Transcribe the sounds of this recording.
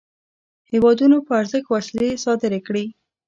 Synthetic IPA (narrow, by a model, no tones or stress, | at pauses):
hewɑd̪unopəaɾzəkwaslesɑd̪ɪɾekɽi